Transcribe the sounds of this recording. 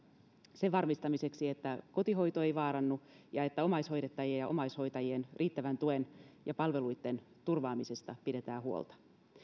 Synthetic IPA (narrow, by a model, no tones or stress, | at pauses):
se̞ʋɑrmist̪ɑmise̞ksiet̪ːæko̞t̪iɦo̞jt̪oe̞jʋɑːɾɑnːujɑe̞t̪ːæo̞mɑjsho̞jɾet̪ːɑjiejɑʔo̞̰mɑjsho̞jt̪ɑjie̞nrʔiːt̪ːæʋænt̪uenjɑpɑlʋe̞lujt̪ːe̞n | t̪urʋɑːmise̞st̪ɑpide̞t̪æːhuo̰lt̪ɑ̥